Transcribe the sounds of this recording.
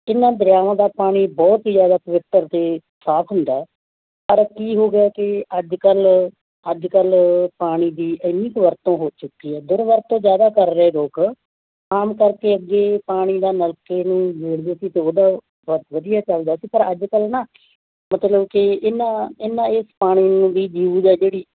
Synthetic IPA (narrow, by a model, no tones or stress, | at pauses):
ɪnãːd̪ɾjaːʋãːd̪aːpaːɽ̃iːbɔːt̪id͡ʒjaːd̪aːpəʋɪt̪ːəɾt̪eː | saːp̪ʰɦʊnd̪aːɛː | pəɾkiːɦoːɡɪjaːkɪəd͡ʒkəl | əd͡ʒkəlpaːɽ̃iːd̪iːʔəmiːkʋəɾt̪õːɦoːt͡ʃʊkːiːɦɛːd̪ɪɾʋəɾt̪õːd͡ʒjaːd̪aːkəɾːəeːɾoːk | aːmkəɾkeːəɡːeːpaːɽ̃iːd̪aːnəlkeːnũːd͡ʒeːɽd̪eːsiːt̪eːoːd̪aː | bɔːt̪ʋəd̪ijaːt͡ʃəld̪aːsiːpəɾəd͡ʒkəlnaː | mət̪ləbkɪɪnːãːɪnːãːɪspaːɽ̃iːnũːd̪iːd͡ʒjuːd͡ʒɛːd͡ʒeːɽiː